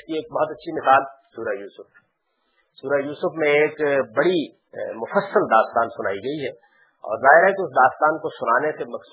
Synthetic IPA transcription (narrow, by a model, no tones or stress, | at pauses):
kieːk̚bɔɦɔt̪ɐtːʃʰimɪsaːlsuːɾajuːsʊf | suːɾajuːsʊfmẽeːkbɐɽi | mʊfəsːəld̪aːst̪aːnsʊna̰ːiɡɐiɦɛː | ɔ̰ːɾzaːɦɪɾɦɛkiʊsd̪aːst̪aːnkosʊnaːnesemɐks